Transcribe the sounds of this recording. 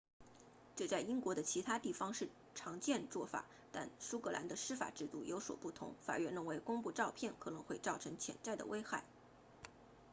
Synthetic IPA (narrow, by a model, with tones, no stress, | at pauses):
ʈ͡ʂɤ˥˧t͡sa˥˩ɪi˥ŋkwɔ˧˥d̪ə˧t͡ɕʰi˧˥t̪ʰa˥t̪i˥˩fɑ˥ŋʂɻ̩˥˩ | ʈ͡ʂʰɑ˧˥ŋt͡ɕjɛ˥˧nt͡swɔ˥˩fa̰˨˩˦ | t̪a˥˩nsu˥kɤ˧˥la̰˧˥nd̪ə˧ʂɻ̩˥fa̰˨˩ʈ͡ʂɻ̩˥˧t̪u˥˩jo˧˥ʊswɔ̰˨˩pu˥˩t̪ʰʊ̰˧˥ŋfa̰˨˩ɥɛ˥˩nɻə˥˩nwe˧˥ɪkʊ˥ŋpu˥˧ʈ͡ʂɑ˥˧ʊpʰjɛ˥˩nkʰɤ˨˩nɤ˧˥ŋxwe˥˧ɪʈ͡ʂɑ˥˩ʊʈ͡ʂʰɤ˧˥ŋt͡ɕʰjɛ̰˧˥nt͡sa˥˩ɪd̪ə̰˩we˥ɪxa˥˩ɪ